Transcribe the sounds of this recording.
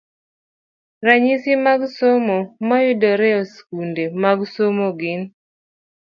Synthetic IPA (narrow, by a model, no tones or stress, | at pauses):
ɾaɲisimaɡsomomajʊdɔɾɛɔskundemaɡsomoɡɪn